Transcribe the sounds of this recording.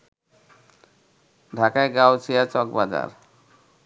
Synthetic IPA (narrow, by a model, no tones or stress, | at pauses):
ɖʱakaeɡawt͡ɕʰijat͡ɕɔk̚bad͡ʑa̰ɾ